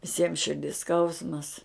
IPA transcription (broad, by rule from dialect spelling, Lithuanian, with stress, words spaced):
ʋʲɪˈsʲiɛm ʃʲɪrʲˈdʲɪs ˈskɐʊsmɐs